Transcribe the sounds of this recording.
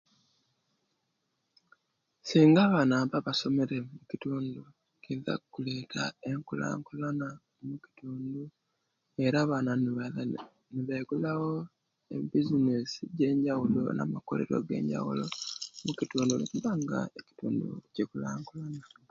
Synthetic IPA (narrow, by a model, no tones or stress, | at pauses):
siːŋɡaβanaβaβaso̞me̞ɾe̞mucituːndu | kiiza̰kukule̞ːtʰa̰e̞ŋkula̰ːŋkulana | muci̥tuːndu | e̞ɾaβana | niβeɡulawo | ḛbizinesiɟe̞ːɲɟawulo̞̰na̰mako̰lḛɾo̰ɡe̞̰ːɲɟa̰wṵlo̞̰mukituːndunikuβaŋɡa̰eci̥tuːndṵcekulaːŋkulana